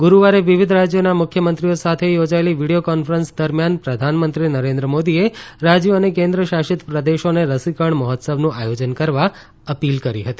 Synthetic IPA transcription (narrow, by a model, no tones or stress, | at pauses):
ɡuɾuʋaɾeʋiʋid̪ʱɾad͡ʒjonamʊkʰjəmənt̪ɾiosat̪ʰejod͡ʒaeliʋiɽijokɔnfəɾənsd̪əɾmjanpɾəd̪ʱanmənt̪ɾinəɾẽnd̪ɾəmod̪ieɾad͡ʒjoənekẽnd̪ɾəʃaʃɪt̪pɾəd̪eʃoneɾəsikəɳməɦɔt̪səbnũʔajod͡ʒənkəɾʋa | əpilkəɾḭɦət̪i